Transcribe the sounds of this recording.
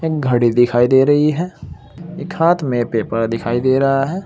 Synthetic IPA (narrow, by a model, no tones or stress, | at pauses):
eːk̚ɡʱɐɽid̪ɪkʰaːid̪eːɾɐɦiɦɛː | ɪkʰhaːt̪mẽpeːpəɾd̪ɪkʰaːid̪eːɾɐɦaɦɛː